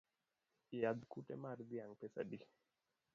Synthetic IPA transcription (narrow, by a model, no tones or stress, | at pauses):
ɪjad̪kutɛ̰maɾd̪iaŋpɛsa̰di